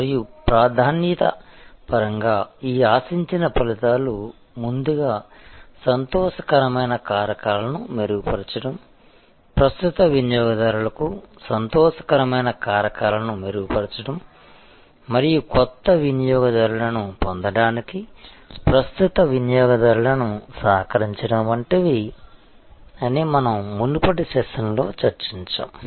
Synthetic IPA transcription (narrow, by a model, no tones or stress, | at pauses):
ɐɾijupɾaːd̪ʱaːnjit̪ɐ̰pɐɾɐŋɡaːiːaːsiɲt͡ʃinɐpɐlit̪aːlu | mund̪uɡaːsɐnt̪ɔːʃɐ̥kɐɾɐmɐjnɐkaːɾɐkaːlɐnumeɾuɡupɐɾit͡ʃɐɽɐm | pɾɐst̪ut̪ɐʋinjɔːɡɐd̪ɐɾulɐkusɐnt̪ɔːʂɐ̥kɐɾɐmɐjnɐkaːɾɐkaːlɐnumeɾuɡupɐɾit͡ʃɐɽɐmː | ɐɾijukɔt̪ːɐʋinijɔːɡɐd̪ɐɾuɭɐnupond̪ɐɽaːnikipɾɐst̪ut̪ɐʋinɐjɔːɡɐd̪ɐɾulɐnusaːkɐɾiɲt͡ʃɐɽɐmɐɳʈɐʋi | ɐnimɐnɐmːundupɐɽisɛːʂɐnlo̞ːt͡ʃɐɾt͡ʃiɲt͡ʃa̰ːm